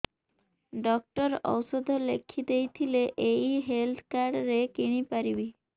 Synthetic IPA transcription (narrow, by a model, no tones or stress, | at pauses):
ɖɔk̚ʈɔɾɔ̰wsod̪ʱolḛkʰːid̪ejt̪ʰileʔejɦelt̪ʰkaɾɖɾekiɽ̃ipaɾibi